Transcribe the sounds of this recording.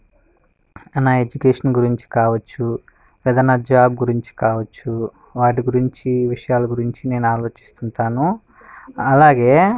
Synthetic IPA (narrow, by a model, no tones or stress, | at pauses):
ɐnaed͡ʒukeːʂɐnɡuɾiɲt͡ʃi̥kaːʋɐt͡ʃːu | ɾɐd̪ɐnɐd͡ʒaːbɡuɾiɲt͡ʃi̥kaːʋɐt͡ʃːu | ʋaːʈ̬iɡuɾiɲt͡ʃiʋiʂɐjaːlɐɡuɾiɲt͡ʃine̞ːnuaːlo̞ːt͡ʃi̥st̪unt̪aːnu | ɐlaːɡe̞ː